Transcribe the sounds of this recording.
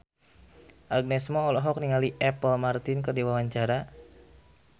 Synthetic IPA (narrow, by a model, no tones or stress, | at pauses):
ʔaɡ̚nɛsmɔːlɔɦɔk̚niŋaliʔɛpəlmart̪inkərdiwawaɲt͡ʃaɾa